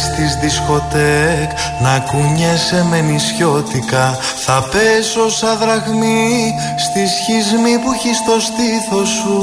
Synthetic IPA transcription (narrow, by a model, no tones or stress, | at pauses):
st̪izðisko̞t̪ek | nɐkuɲese̞me̞nisço̞t̪ikɐ | θɐpe̞sosɐðɾɐɣmi | st̪isçizmipuçist̪o̞st̪iθo̞su